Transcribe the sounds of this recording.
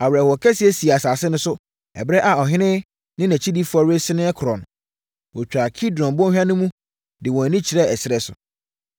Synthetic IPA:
a˨wɾɛ˨wɔ˨kʰɛ˦si˦ɛ˦si˨a˨saː˨sɪ˦nʊ̃˦sʊ˦ | ɛ̰˨bɾɛ˦ʔa˨ɔ˨ɦɪ̃˦nɪ̃˦ | nɪ̃˦næ̃˨t͡ɕʰi˦di˦fɔ˨ɾɪ˦e˦sɪ˦nɪ̃˦ɛ˦kʰʊ˨ɾɔ̃˨ñ˨ | wɔ˨t͡ɕᶣɾa˨kʰi˦dɔ̃˨nbɔ̃˦hᶣã˦nʊ̃˦mũ˦ | dɪ˨wɔ̃˨nĩ˦t͡ɕʰi˨ɾɛ˦ɛ˨sɪ˨ɾɛ˨sʊ˨

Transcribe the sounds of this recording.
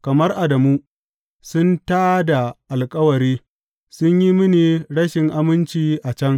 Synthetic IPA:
kɐ˨mɐ˦rʔa˨dɐ˨mu˦ | sʊ˦ntaː˦da˨ʔa˨lkʼɐ˦wɐ˨ɾiː˦ | sʊ˦ɲji˦mɪ˦niː˨ɽɐ˦ʃɪ˨ŋʔa˦mɪ˦nt͡ʃiː˦ʔa˨t͡ʃɐ˦ŋ

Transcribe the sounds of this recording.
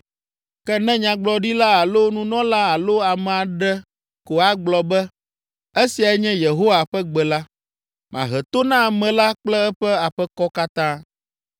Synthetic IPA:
kɛ˦nɛ̃˦ɲã˨ɡ͡blɔ˨ɖi˦la˦a˨lo˦nũ˦nɔ̃˦la˦a˨lo˦a˨mɛ̃˨a˨ɖɛ˦ | ko˨a˦ɡ͡blɔ˨bɛ˦ | e˦si˨a˨˦ɲɛ̃˦je˨ɦo˦wa˨ɸɛ˦ɡ͡bɛ˨la˦ | mʔã̰˨ɦɛ˨t̪o˦nã˦˨mɛ̃˨la˦k͡plɛ˦ɛ˦ɸɛ˦a˨ɸɛ˦kɔ˦ka˦t̪ã˦

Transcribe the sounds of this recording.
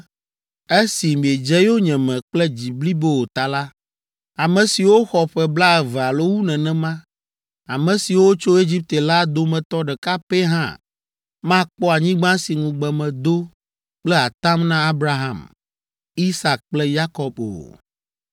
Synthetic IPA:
e˦si˨mĩ˨e˨d͡ʒɛ˦jo˦ɲɛ̃˨mɛ̃˨k͡plɛ˦d͡ʑi˨bli˦be˦wo˨t̪a˨la˦ | a˨mɛ̃˨si˨wo˦xɔ˨ɸɛ˦bla˦ɛ˨vɛ˨a˨lo˦wu˦nɛ̃˨nɛ̃˦mã˦ | a˨mɛ̃˨si˨wo˦t͡ʃo˦e˦d͡ʑi˦p̚t̪e˨la˦d̪o˦mɛ̃˨t̪ɔ˦ɖɛ˨ka˦pɛ˦ɦã̰˦ | mã˦k͡pɔ˦a˨ɲĩ˦ɡ͡bã˦si˨ŋũ˨ɡ͡bɛ˨mɛ̃˨d̪o˦ | k͡plɛ˦a˨t̪ã˦mnã˦a˦bɾa˦ɦã̰˨m | i˦sa˨k̚k͡plɛ˦ja˦kɔ˦bo̰˨

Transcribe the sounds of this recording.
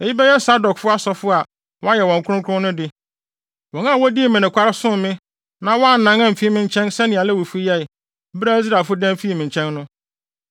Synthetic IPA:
ɛ˨ji˦bɛ˦jɛ˦sa˦dɔ˨kfʊ˦a˦sɔ˨fʊ˦a˨ | wɔ̃˦a˦jɛ˨wɔ̃˨ŋ˨kʰʷʊ˦ʊ̃˦kʰʊ˦ʊ̃˦nʊ̃˦dɪ˦ | wɔ̃˨nã˦˨wɔ˦di˦˨mɪ̃˨nɪ̃˨kʰʷa˦ɾɪ˦sʊ̃˦mɪ̃˦ | nã˨˦wɔ̃˦a˦˨n̩˨nã˨˦ŋã˦m̩˨fi˦mɪ̃˨ɲ˦t͡ɕʰɛ̃˦nsɛ˦nɪ̃˨a˨lɛ˦wu˨fi˦jɛ˦˨˦ | bɾa˦zɾa˨fʊ˦dã˦m̩˨fi˦i˦˨mɪ̃˨ɲ˨t͡ɕʰɛ̃˦nːʊ̃˦

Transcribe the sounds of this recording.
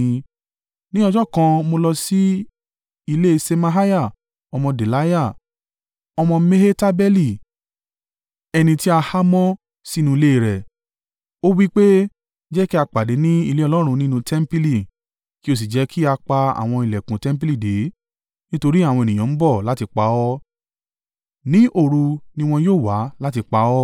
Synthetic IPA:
nĩ˦ɔ˧d͡ʒɔ˦kã˧mo˧lɔ˧si˦ | i˧le˦˧se˧mã˧ɦa˦ja˦˨ | ɔ˧mɔ̃˧de˨la˨˦ja˦˨ | ɔ˧mɔ̃˧me˦he˦ta˦bɛ˦li˦˨ | ɛ˧nĩ˧ti˦a˧ha˦mɔ̃˦ | si˦nũ˧i˧le˦i˧˨ɾɛ˨ | o˦wi˦k͡pe˦ | d͡ʒɛ˦ki˦a˧k͡pa˨de˨˦nĩ˦i˧le˦ɔ˧lɔ˦ɾ̃ũ˧nĩ˦nũ˧tʰɛ˦m̩˦pi˦li˦˨ | ki˦o˧˨s̬i˨d͡ʒɛ˨˦kʰi˦a˧k͡pa˧a̰˨w̃ɔ̃˧i˨lɛ˨kũ˨tɛ˦m̩˦p̬i˦li˦˨de˨˦ | nĩ˦to˧ɾi˦a˦˨w̃ɔ̃˧e˨nĩ˨j̃ã˨n̩˦bɔ˦˨la˦ti˧k͡pa˨˦ɔ˦ | nĩ˦ʔo˦˨ɾu˧nĩ˦w̃ɔ̃˧joː˦˨wa˨˦la˦ti˧k͡pa˨˦ɔ˦

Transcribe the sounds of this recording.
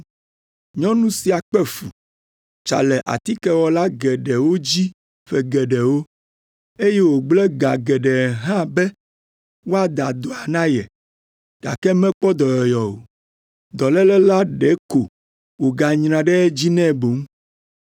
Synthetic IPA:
ɲɔ̃˦nũ˦si˨a˨k͡pɛ˦fu˨ | t͡ʃa̰˨lɛ˨ʔa̰˨t̪i˦kɛ˦wɔ˨la˦ɡɛ˨ɖɛ˨wo˦d͡ʑi˦ | ɸɛ˨ɡɛ˨ɖɛ˨wo˦ | e˦jɛ˦wo˨ɡ͡blɛ˦ɡa˨ɡɛ˨ɖɛ˨ɦã˦bɛ˦ | wo˦a˨d̪a˨d̪o˨a˨nã˦jɛ˨ | ɡ̥a̰˨kɛ˦mɛ̃˦k͡pɔ˦d̪ɔ˨jɔ˨jɔ˨o˨ | d̪ɔ˨lɛ˦lɛ˦la˦ɖɛ˨˦ko˨ | wo˨ɡa˨ɲɾã˨ɖɛ˦ɛ˦d͡ʑi˦nɛ̃˦˨bo˨m˦

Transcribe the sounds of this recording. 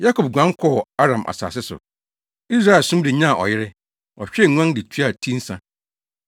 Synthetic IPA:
ja˦kʰo˨b̚ɡʷã˦kʰɔ˦˨a˦ɾã˨mʔa̰˨sa̰ː˨sɪ˦sʊ̰˨ | i˦sɾa˦ɛ˨lsʊ̃˦m˦dɪ˨ɲã˦˨ʔɔ̰˨jɪ˦ɾɪ˦ | ɔ˨ɕᶣɛ˦˨ŋ˦ã˦ndɪ˨t͡ɕʰu˦a˨tʰĩ˦n̩˦sã˨

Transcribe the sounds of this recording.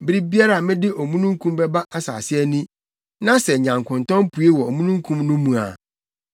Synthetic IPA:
bɪ˦ɾi˦bi˦a˦ɾa˨mɪ̃˦dɪ˦ʔo˨mũ˦nũ˦ŋ˦kʰũ˦mbɛ˦ba˦ʔa˦sa̰ː˨sɪ˦ɛ˦nĩ˦ | nã˦sɛ˨ɲã˨ŋkʰʊ̃˨ntɔ̃˦mpʰu˨e˦wɔ˨o˨mũ˦nũ˦ŋ˦kʰũ˦mnũ˦mũ˨a̰˨

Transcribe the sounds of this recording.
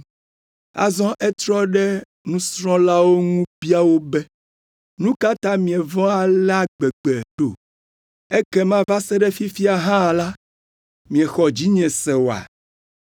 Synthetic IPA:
a̰˨zɔ̃˦ʔɛ˦t̪ɾɔ˦ɖɛ˦ | nũ˦sɾɔ̃˦la˦wo˦ŋũ˦bi˦a˦wo˦bɛ˦ | nũ˦ka˦t̪ã˦mĩ˨ɛ˨vɔ̃˦a˨lɛ˦a˦ɡ͡bɛ˨ɡ͡bɛ˨ɖo˨ | e˦kɛ˦mã˦va˦sɛ˦ɖɛ˦fi˦fi˦a˨ɦã˦˨la˦ | mĩ˨ɛ̃˨xɔ˨d͡ʑi˦ɲɛ̃˨sɛ˨wo˨a̰˨

